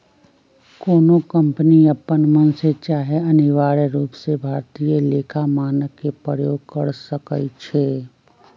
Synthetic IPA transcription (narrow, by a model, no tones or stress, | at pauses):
koːnokə̃mpəniɐpːənmənset͡ʃaːɦeɐnɪʋaːɾeɾuːpsebʱaːɾt̪ijeleːkʰamaːnəkːepɾəjoːɡ̚kəɾsəkət͡ʃʰeː